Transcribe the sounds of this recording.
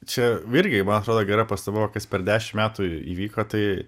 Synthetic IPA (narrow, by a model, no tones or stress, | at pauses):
t͡ʃʲɛɪɾʲɡʲɪmɐnɐt̪ɾoːd̪oːɡʲɛɾɐpɐst̪obɐʋɐkɐspʲɛɾd̪ʲæːʃʲɪmmʲæːt̪uːḭːʋʲiːkoːt̪ɐɪ